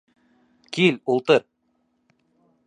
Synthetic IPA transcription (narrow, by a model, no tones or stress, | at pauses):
kʲʰilʲulˠt̪əɾ